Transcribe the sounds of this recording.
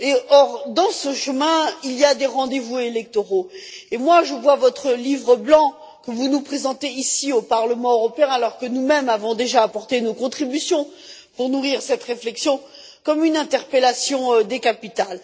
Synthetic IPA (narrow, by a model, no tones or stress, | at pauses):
eɔʁd̪ɑ̃səʃəmɛ̃ilijad̪eʁɑ̃d̪evuelɛk̚t̪oʁoemwaʒəvwavɔt̪χəlivʁəblɑ̃ | kəvunupχezɑ̃t̪eisiopaʁləmɑ̃øʁɔpeɛ̃alɔʁkənumɛmavɔ̃d̪eʒaːpɔʁt̪enokɔ̃t̪χibysjɔ̃puʁnuʁiʁsɛt̪ʁeflɛksjɔ̃ | kɔmynɛ̃t̪ɛʁpelasjɔ̃d̪ekapit̪al